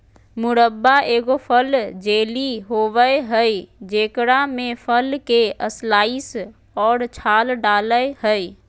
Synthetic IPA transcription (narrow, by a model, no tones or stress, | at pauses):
mʊɾəbːaʔeːɡopʰəld͡ʒeːliɦoʋəeɦəjd͡ʒeːkɾamẽpʰəlkeʔəslaːis | ɔːɾt͡ʃʰaːlɖaːləjhəj